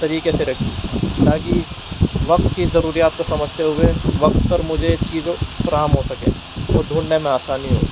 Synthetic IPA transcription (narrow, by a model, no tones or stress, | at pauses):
t̪ɐɾiːkeseɾɐkʰilaːɡi | ʋɐk̚t̪kizɐɾuːɾijaːt̪̚kosɐməd͡ʒʱt̪eɦʊeʋɐkt̪pɐɾmʊd͡ʒʱet͡ʃiːzfɐɾaːɦəmɦosɐkḛ̃ː | oːɾd̪ʱuːɽnemẽaːsaːniɦo̰ː